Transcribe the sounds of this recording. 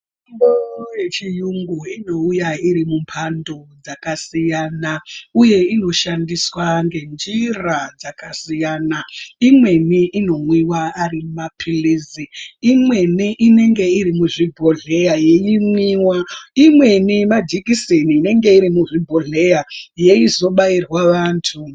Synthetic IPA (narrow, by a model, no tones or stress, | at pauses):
mojet͡ʃijuŋɡuino̞ujaiɾimumpʰando̞d͡zakasijanauje̞ino̞ʃandiswaŋɡe̞nd͡ʒirad͡zakasijanaimwe̞niʔino̞mwiwaːɾimumapʰiliziimwe̞niʔine̞ŋɡe̞iɾimuʐibʱo̞ɮe̞jaje̞jiŋwiwaimwe̞nimad͡ʒikiseniːne̞ŋɡe̞iɾimuʐibʱoɮe̞jaje̞izo̞ɓairwaʋaːntʰu